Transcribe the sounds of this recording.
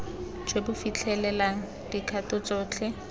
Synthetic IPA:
d͡ʒwebʊfit͡ɬʰɛlɛlaŋ̩ | d̥ikʰatɔt͡sʼɔːt͡ɬʰɛ

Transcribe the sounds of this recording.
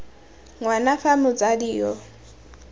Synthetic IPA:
ŋwanafamʊt͡sadijɔ

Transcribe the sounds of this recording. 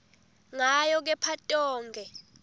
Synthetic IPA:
ŋajɔk̬ɛpʰatʼɔːŋɡʱɛ

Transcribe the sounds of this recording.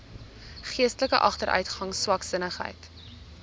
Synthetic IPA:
χiəstələkəʔɐχtəɾʔœ̰ɥtχɐŋswɐksənəχɦə̰jt

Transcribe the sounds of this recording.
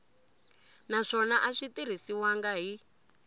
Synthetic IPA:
naʂɔnaʔaʂitiɾ̤isiwaŋɡaɦi

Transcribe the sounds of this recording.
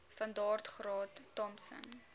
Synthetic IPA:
sɐndɑːrtχrɑːtːɔmsə̰n

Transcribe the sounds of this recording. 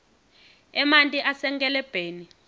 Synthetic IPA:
ɛmantʼiʔasɛŋkʼɛlɛb̥ʱeːni

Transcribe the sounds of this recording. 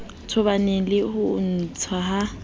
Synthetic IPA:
t͡sʰʊβanɛlɪhʊn̩t͡sʰaɦa

